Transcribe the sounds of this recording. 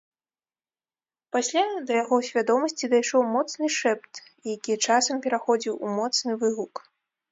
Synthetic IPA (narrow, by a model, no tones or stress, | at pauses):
pasʲlʲad̪ɐjaɣɔsʲvʲad̪ɔmɐsʲt͡sʲid̪ajʂɔwmɔt̪snɨʂɛpt̪ | jakʲijɛt͡ʂasɐmpʲɛɾaxɔd͡zʲiwṵmɔt̪snɨvɨɣuk